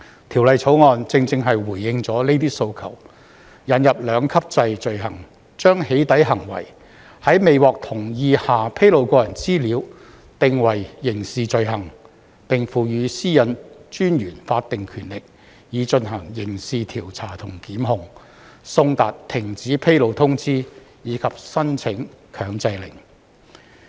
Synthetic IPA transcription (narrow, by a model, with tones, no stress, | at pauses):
t̪ʰi˨˩wlɐ˨jt͡sʰo˨˥wŋɔː˨˧nt͡sɪ˧ŋt͡sɪ˧ŋɦɐ˨jwuː˨˩jːɪ˧ŋt͡sɔː˨˥ne˥jt̪iː˥so˧wkʰɐ˨˩w | jɐ˨˧˥njɐ˨p̚lœː˨˧ŋkʰɐ˥p̚t͡sɐ˧jt͡ʃɵ˨ɥɦɐ˨˩ŋ | t͡ʃœː˥ŋhe˨˥jt̪ɐ˨˥jɦɐ˨˩ŋwɐ̰˨˩j | hɐ˨˥jme˨jwɔː˨k̚t̪ʰʊ˨˩ŋjiː˧haː˨pʰe˥jlo˨˧wkɔː˧jɐ˨˩nt͡siː˥liː˨˧˥w | t̪ɪ˨ŋwɐ˨˩jːɪ˨˩ŋsiː˨t͡ʃɵ˨˧ɥɦɐ˨˩ŋ | pɪ˨ŋfuː˨˩jyː˨˧siː˥jɐ˨nt͡ʃyː˥njyː˨˩nfaː˧t̚t̪ɪ˨ŋkʰyː˨˩nlɪ˨k̚ | jiː˨˧t͡ʃɵ˧nɦɐ˨˩ŋjɪ˨˩ŋsiː˨t̪ʰiː˨˩wt͡sʰaː˨˩t̪ʰʊ˨˩ŋkiː˨˥mɦʊ˨˧ŋ | sʊ˧ŋt̪aː˨tt̪ʰɪ˨˩ŋt͡siː˨˥pʰe˥jlo˨˧wt̪ʰʊ˥ŋt͡siː˥jiː˨˧kʰɐ˨p̚sɐ˥nt͡sʰɪ˨˥ŋkʰœː˨˧ŋt͡sɐ˧jlɪ˨˩ŋ